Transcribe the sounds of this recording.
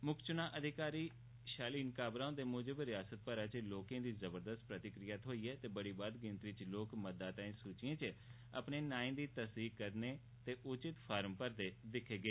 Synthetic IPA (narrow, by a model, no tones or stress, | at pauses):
mʊkʰt͡ʃʊnãːʔəd̪ʱɪkaːɾiː | ʃaːliːnkaːbɾaːõd̪eːmʊd͡ʒəbɾɪjaːsət̪̚pəɾaːt͡ʃloːkẽːd̪iːzəbəɾd̪əst̪̚pɾət̪ɪkɾɪjaːt̪ɦoːiːɛːt̪eːbəɽiːbaːd̪ɡɪ̃nt̪ɾit͡ʃloːkməd̪aːt̪ãĩːsuːt͡ʃɪẽːt͡ʃ | ə̰pneːnaːẽːd̪iːt̪əsd̪iːkəɾneː | t̪eːʔʊt͡ʃɪt̪pʰaːɾmpəɾd̪eːd̪ɪkʰːeːɡeː